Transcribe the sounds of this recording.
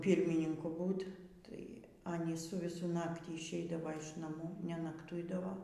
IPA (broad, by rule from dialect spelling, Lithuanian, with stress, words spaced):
ˈpʲiːrʲmʲɪnʲɪŋkʊ ˈbuːtʲ tɐɪ ˈɑːnʲiːs sʊ ʋʲɪˈsʊ ˈnɑːktʲiː ɪʃʲˈɛɪdɐʋɐ ɪʃ nɐˈmuː nʲɛnɐkˈtʊɪdɐʋoː